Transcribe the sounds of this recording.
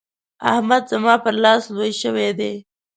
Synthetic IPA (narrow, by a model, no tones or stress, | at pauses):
a̰hmad̪zamɑpəɾlɑslwojʃəwed̪e